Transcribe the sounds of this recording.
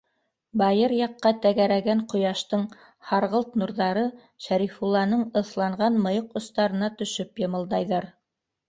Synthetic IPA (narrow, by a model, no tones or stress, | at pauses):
bɑjɤɾjɑqːɑt̪æɡæɾæɡæɴqŏjɑʃt̪ɤɴ | hɑɾʁɤlˠt̪nuɾðɑɾɤ | ʃæɾifulˠːɑnɤɴɤ̆θlˠɑɴʁɑnmɤ̆joqŏst̪ɑɾɤ̆nɑt̪ɵ̆ʃɵpjɤ̆mɤ̆lˠd̪ɑjðɤɾ